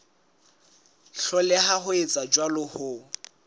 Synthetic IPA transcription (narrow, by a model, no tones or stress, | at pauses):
ɬɔlɪɦahʊet͡sʼad͡ʒwalʊhʊ